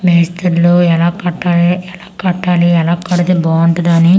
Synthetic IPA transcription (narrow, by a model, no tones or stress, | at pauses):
meːst̪ɐɾloːɛlaːkɐʈːaːleɛlaːkɐʈːaːliɛlaːkːɐɽɐt̪eboːɐɳʈɐd̪ani